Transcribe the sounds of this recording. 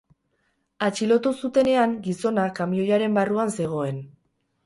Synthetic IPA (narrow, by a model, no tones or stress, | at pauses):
at͡ʃilo̞t̪usut̪e̞ne̞aŋɡiso̞nakamio̞ʎaɾe̞mbaruanse̞ɣ̞o̞e̞n